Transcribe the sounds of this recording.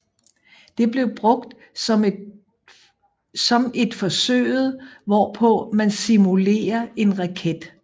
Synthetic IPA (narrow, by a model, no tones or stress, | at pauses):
d̥e̝b̥le̝ʊb̥ʁɔ̽ɡ̥d̥ | sɒ̽me̝d̥fɒ̽sø̰ːɪð̩ˠʋɒpʰɔ̽mænsimule̝̰ːɐʔe̝nʁɑ̈kʰed̥